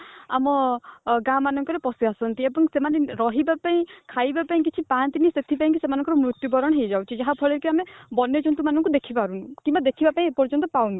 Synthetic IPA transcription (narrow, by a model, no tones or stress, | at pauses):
a̰mɔɡamanɔŋkɔɾepɔsiasɔnt̪iebɔŋsemaneɾɔɦibapaĩkʰajbapaĩk̬it͡ʃʰipant̪iniset̪ʰipaĩkisemanɔ̃ŋkɔɾɔmɾut̪jubɔɾɔɽ̃ɦejd͡ʒawt͡ʃʰid͡ʒaɦapʰɔɭekiamebɔnjɔd͡ʒɔnt̪̬umanɔŋkud̪ekʰipaɾunukimbad̪ekʰibapaĩpɔɾd͡ʒɔnt̪ɔpawn